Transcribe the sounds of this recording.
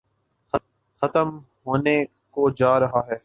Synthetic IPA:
xɐt̪əm | ɦoːne | kod͡ʒaːɾɐɦaːɦɛː

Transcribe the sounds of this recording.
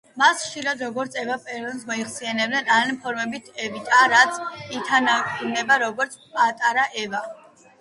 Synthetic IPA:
masχʃiɾad̪ɾɔɡɔɾt̪sʰɛvapʼɛɾɔnsmɔiχsianɛbd̪ɛnanpʰɔɾmɛbit̪ʰɛvit̪ʼaɾat̪sʰit̪ʰananɛbaɾɔɡɔɾt̪sʰpʼat̪ʼaɾaʔɛva

